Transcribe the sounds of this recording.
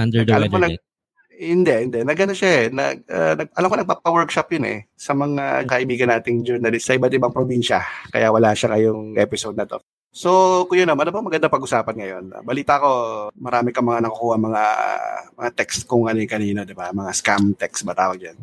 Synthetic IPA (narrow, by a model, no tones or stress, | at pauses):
ʔand̪ɛdɐlɐmonɐ | hɪnd̪ɛhɪnd̪ɛnɐɡɐnoʃaɛnɐ̰ɡanɐɡ̚ʔɐlɐmkonɐɡ̚papawɛɹkʃapjonɛ̰sɐmɐŋakɐʔɪbiːɡɐnːaːt̪ɪŋd͡ʒɛɾnɐlɪst̪sɐʔɪbat̪̚ɪbaŋpɾobinʃɐkɐ̰jawɐlaːʃakɐjʊŋʔɛ̰ːpɪsowd̪̚nɐt̪o̞̰ | so̞kʊjʊnːomʔɐnopɐŋmɐɡɐnd̪apɐɡʔʊsaːpɐnŋɐjo̞nɐ̰bɐliːt̪ɐʔɐko̞mɐɾaːmɪkɐmɐŋanɐkɐkuːhɐŋmɐŋa̰mɐŋat̪ɛkst̪kʊŋkɐnɪkɐniːnod̪ɪbamɐŋaskamt̪ɛksbɐt̪a̰ːwɐɡ̚d͡ʒan